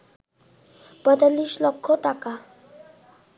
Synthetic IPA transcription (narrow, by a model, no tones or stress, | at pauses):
pɔjt̪alːiʃlokʰːoʈaka